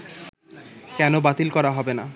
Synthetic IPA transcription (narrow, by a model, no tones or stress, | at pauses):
kɛnobat̪ilkɔɾaɦɔbena